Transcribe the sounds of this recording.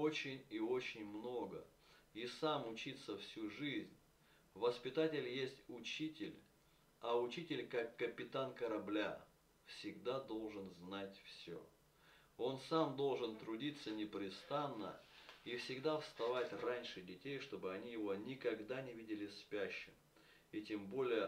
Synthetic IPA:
ot͡ɕɪnʲio̞t͡ɕɪnʲmno̞ɡə̰ | isamʊt͡ɕit̪sːəfsʲuʐɨzʲnʲ | vəspʲɪt̪atʲɪlʲjesʲtʲʊt͡ɕitʲɪlʲ | ɐʊt͡ɕitʲɪlʲkakːəpʲɪt̪ankəɾɐblʲa | fsʲɪɡd̪ad̪o̞lˠʐɨnznatʲfsʲo̰ | o̞nsamd̪o̞lˠʐɨnt̪ɾʊdʲit̪sːənʲɪpɾʲɪst̪anːə̰ifsʲɪɡd̪afst̪ɐvatʲranʲʂɨdʲɪtʲejʂt̪o̞bɨɐnʲijɪvo̞nʲɪkɐɡd̪anʲɪvʲidʲɪlʲɪspʲæɕːɪm | itʲembo̞lʲɪjə

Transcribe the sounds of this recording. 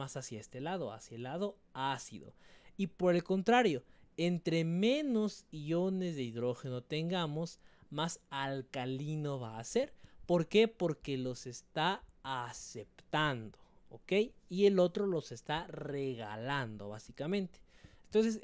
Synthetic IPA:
asasjaest̪e̞lað̞o̞a̰sjaelːað̞o̞ | asḭðo̞̰ipo̞ɾe̞lko̞nt̪ɾaɾjo̞ent̪ɾe̞mẽ̞no̞zione̞zðe̞iðɾo̞xe̞no̞t̪e̞ŋɡamo̞smasalkalino̞βaːse̞ɾpo̞ɾke̞po̞ɾke̞lo̞se̞st̪aːse̞pt̪and̪o̞ | oke̞jie̞lo̞t̪ɾo̞lo̞se̞st̪areɣa̰land̪o̞̰βasikamẽ̞nt̪e̥ent̪o̞ns̬es

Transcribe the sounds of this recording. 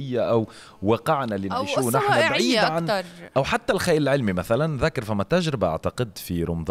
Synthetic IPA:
ɪjːaʔæw | wɑqɪʕnælinʕiːʃuːnaħnæbʕiːd̪ʕanɾˤʔæwħat̪ːælxæːjɪlʕɪlmimæθælænðækɑɾˤfæmːæt̪ːæʒɾɪbaʔa̰ʕt̪ɑqɨd̪fiɾʊmðˤ

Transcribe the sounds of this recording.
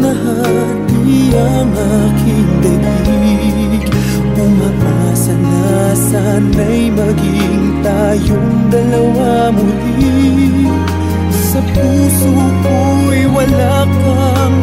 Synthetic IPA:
nɐha | t̪iɐ | ŋakɪŋd̪ɐɡi | kʊmaʔa | sɐna | sa | nɐjmɐɡɪ | ŋt̪aːjoŋd̪ɐlɐwa | mʊli | sɐpuːso | ko | jwɐla | k | ɐ | ŋ

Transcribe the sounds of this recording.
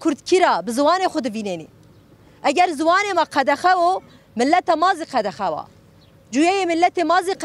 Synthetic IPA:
kʰʊɾd̪kʰiɾɑːbɨzɨwɑːneːxʊd̪ɨviːneːneː | ʔɛɡʲɛɾzɨwɑːneːmɑːqʰɛd̪ɛxɛwo | mɨlːɛt̪ɑːmɑːziːqʰɛd̪ɛxɛwɑ̰ː | d͡ʒuːjɛjeːmɨlːɛt̪eːmɑːziq

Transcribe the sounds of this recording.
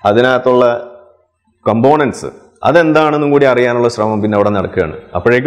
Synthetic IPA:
ɐðinaːt̪ːuɭːɐ | kombo̞ːɳɐnɖsɨ̰ | ɐ̰ðe̞nd̪aːɳe̞nːukuːɽiɐrijaːnuɭːɐɕrɐmɐmpinːeɐʋiɽe̞nɐɽɐkːuɣja̰ːɳɨ̰ɐ̰pːoɻeːk̬ː

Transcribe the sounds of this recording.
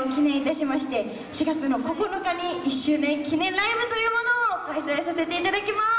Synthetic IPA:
okʲinẽ̞ɰ̃it̪aɕimaɕi̥t̪e̞ | ɕiɡat͡sɨno̞ko̞ko̞nokaɲ̟iiɕːɨːnẽ̞ŋkʲinẽ̞nɾaibɯ̟t̪o̞jɯ̟ːmo̞no̞ːkaisaesase̞t̪e̞it̪ad̪akʲima

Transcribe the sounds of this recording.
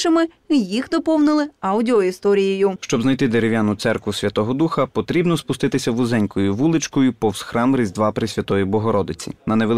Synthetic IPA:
ɪmɪ | ijixd̪ɔpɔwnɪlˠɪɑwdʲɪɔist̪ɔɾʲijejʊʃt͡ʃɔbznɐjt̪ɪd̪eɾeʋʲjanʊt̪sɛrkʋʊsʲʋʲɐt̪ɔɦɔd̪uxɐpɔt̪ɾʲibnɔspʊst̪ɪt̪ɪsʲɐʋʊzɛnʲkɔjʊʋulˠɪt͡ʃkɔjʊpɔwsxɾɑmɾɪzʲd̪ʋɑpɾɪsʲʋʲɐt̪ɔjibɔɦɔɾɔd̪ɪt͡sʲḭnɐneʋelˠ

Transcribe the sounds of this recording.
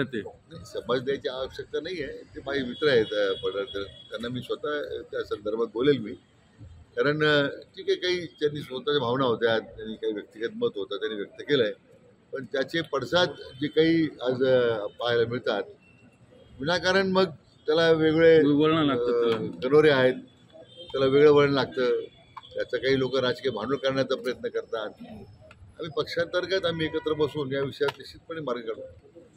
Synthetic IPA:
at̪enajsəməd͡zd̪jajt͡ɕiaʋəɕək̚t̪anaɦijet̪emad͡ʑiːʋit̪ɾəɦet̪pəɽət̪əɾt̪janːamiːsʋət̪at̪jasənd̪əɾbʱat̪̚ɡʱolelmiː | kaɾəɳʈʰiːkakaɦiːt̪janːiːsʋət̪at͡ɕabʱaʋnaɦot̪eat̪janːiːkaɦiːʋjək̚t̪ikət̪mət̪ɦot̪at̪janːiːʋjək̚t̪əkeləe | pəɳt̪jat͡ɕepəɽsat̪d͡ʑekaɦiːad͡zpaɦajlamiɭt̪at̪̚ | ʋinakaɾəɳməɡ̚ | t̪jalaʋeɡɭeəɭɳəlaɡkənoɾeaɦet̪̚ | t̪ːjalaʋeɡɭeʋəɭɳəlaɡ̚t̪əː | t̪jat͡sakaɦiːlokəɾad͡zkebʱanolkəɾɳjat͡sapɾəjət̪nəkəɾt̪at̪̚ | a̰m̤iːpəkʂãnt̪əɾkat̪am̤iːekət̪ɾəpəsuːnjaʋiʂəjat̪eɕiːt͡spəɳ̃iːmaɾɡəkəɽ

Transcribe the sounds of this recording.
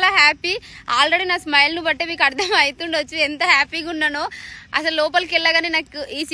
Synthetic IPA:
laːɦaːpiaːlɾeɽinaːsmɐjlɐnubɐʈːeːmiːk̬ɐɽd̪ɐmɐjt̪uɳɖot͡ʃːuɛnt̪ɐɦaːpiɡunːaːnoːɐ̰s̬ɐllɔːp̬ɐlkilːɐɡaːneːnaːkuʔiːs

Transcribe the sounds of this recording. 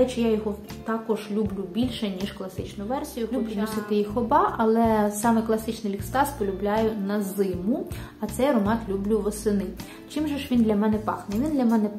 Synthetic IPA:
ɛt͡ʃɪjajɔɦɔt̪ɑkɔʒlʲublʲubʲilʲʃɛnʲiʃklˠɐsɪt͡ʃnʊʋɛrsʲijʊlʲubʲnɔsɪt̪ɪjixɔbɑʔɐlˠɛsɑmɛklˠɐsɪt͡ʃnɪlʲikst̪ɑspɔlʲʊblʲajʊnɐzɪmʊɐt̪sɛjɾɔmɑt̪lʲublʲʊʋɔsɪnɪ | t͡ʃimʒɛʃʋʲind̪lʲɐmɛnɛpɑ̰xnɛʋʲind̪lʲɐmɛnɛ

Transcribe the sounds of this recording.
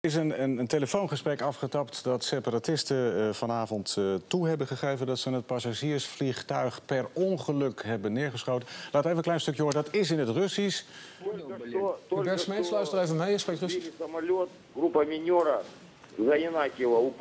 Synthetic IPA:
ɪs̬ənənənteləfownχəsprɛkɑfχətɑptdɑtsepəratɪstəvɑnaːvɔnttuɦɛbəχəχejvəndɑtsənət̚pasaʒiːɹsfliχtœɥχpɛrɔnχəlɵkɦɛbənːɪːɹχəsχowtəlaːtəʋəejənklɛjnstɵkjəɦʊːrədɑtɪsɪnətrɵsis | t̪olʲbɛsmeslœɥstəɾejvənɛjəsprejk̚trøsisɐmɐlʲot̪̚ | ɡɾupɐmʲɪnʲoɾɐ | zɐɪnakʲɪlˠɐʊp

